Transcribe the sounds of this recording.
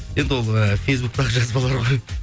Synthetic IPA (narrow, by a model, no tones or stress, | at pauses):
je̞nd̪ɪwo̞lˠəfʲejsbuk̚t̪ɑʁəʒɑzbɑlˠɑɾʁoj